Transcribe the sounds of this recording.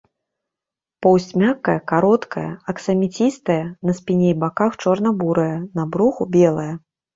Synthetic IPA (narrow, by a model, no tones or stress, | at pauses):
pɔwsʲt͡sʲmʲakːɐjɐkaɾɔt̪kʰɐjɐ̰ɐksɐmʲit͡sʲist̪ɐjɐnɐsʲpʲinʲejbakaxt͡ʂɔrnɐbuɾɐjɐnɐbɾuxubʲɛlˠɐjɐ